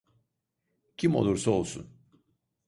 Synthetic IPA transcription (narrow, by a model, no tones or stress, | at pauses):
cʰimo̞̰lˠuɾsao̞̰lˠsṵn